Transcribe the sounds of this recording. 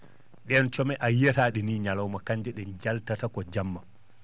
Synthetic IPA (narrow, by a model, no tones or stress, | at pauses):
ɗɛnt͡ʃɔmɛʔajɛtaːɗiniːɲalawmakaɲd͡ʒɛɗɛnd͡ʒaltatakɔd͡ʒamːa